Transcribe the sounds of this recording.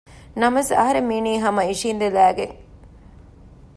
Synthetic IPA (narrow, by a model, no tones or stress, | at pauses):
nɐmɐsɐ̰ɦɐɾemiːniːɦɐmɐiʂiːnd̪elæːɡeŋ